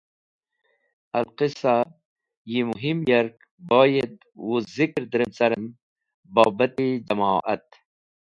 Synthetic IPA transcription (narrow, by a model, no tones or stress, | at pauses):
ɐlqisa | jimuɦimjɐɾk | boːjed̪̚ | wuzikɾd̪ɾimt͡sɐɾəm | boːbɐt̪id͡ʒɐmaːʔɐ̰t̪̚